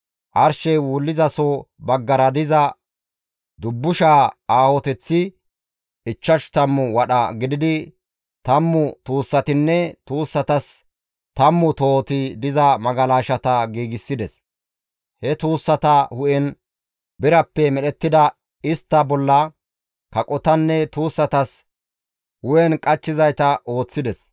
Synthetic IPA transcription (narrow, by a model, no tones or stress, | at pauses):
ʔɐɾʃɛjwuːlːɪzɐsobɐɡːɐɾɐd̪ɪzɐ | d̪ʊbːʊʃaːaːhɔt̪ɛt͡sːɪ | ɪt͡ʃːɐʃt̪ɐmːʊwɐɗɐɡɪd̪ɪd̪ɪ | t̪ɐmːʊt̪uːsːɐt̪ɪnːɛt̪uːsːɐt̪ɐs | t̪ɐmːʊt̪oːt̪ɪd̪ɪzɐmɐɡɐlaːʃɐt̪ɐɡiːɡɪsːɪd̪ɛs | hɛt̪uːsːɐt̪ɐhʊʔɛn | bɪɾɐpːɛmɛɗɛt̪ːɪd̪ɐ | ɪst̪ːɐbɔlːɐ | kɐkʼɔt̪ɐnːɛt̪uːsːɐt̪ɐs | hʊʔɛnkʼɐt͡ʃːɪzɐjt̪ɐʔo̞ːt͡sːɪd̪ɛs